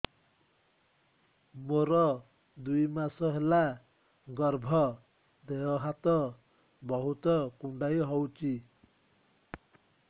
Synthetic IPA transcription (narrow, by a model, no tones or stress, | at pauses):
moɾɔ | d̪ujmasɔɦela | ɡɔɾbʱɔ | d̪eɦɔɦat̪ɔ | bɔɦut̪ɔkuɳɖajɦɔwt͡ʃi